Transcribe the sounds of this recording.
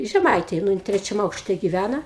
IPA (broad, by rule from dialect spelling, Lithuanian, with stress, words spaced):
ʒʲɛˈmɐɪtʲeːj nʊ ˈjɪn ˈtʲrʲæːt͡ʃʲɛm ˈɐʊkʃʲtʲɛ ɡʲɪˈʋʲænɐ